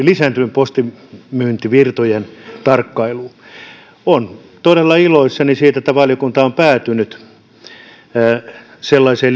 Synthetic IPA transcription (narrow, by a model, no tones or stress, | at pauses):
lisæːnt̪ympost̪i | myːnt̪iʋirt̪ojent̪ɑrkːɑilu | on | t̪odelːɑiloisːɑnisiːt̪æet̪ːæʋɑljokunt̪ɑompæːt̪ynyt̪ | selːɑisel